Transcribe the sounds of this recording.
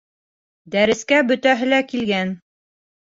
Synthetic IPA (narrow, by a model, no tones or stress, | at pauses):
d̪æɾɘ̆skæbɵ̆t̪æɦɘ̆lækilɡæn